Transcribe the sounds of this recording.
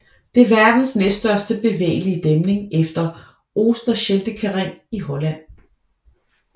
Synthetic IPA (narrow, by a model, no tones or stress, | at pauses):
d̥e̝æɐʋæɐd̥n̩snessd̥ɶɐ̰sd̥əb̥e̝ʋḛːliəd̥emne̝ŋefd̥ɐ | ʔo̝ːsd̥ɐɕeld̥əkʰæʁeŋ̰iɦɒ̽læn̰